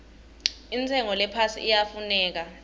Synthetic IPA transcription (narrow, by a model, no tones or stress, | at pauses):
int͡sʰʼɛŋɔlɛpʰasḭijafunɛːk̬a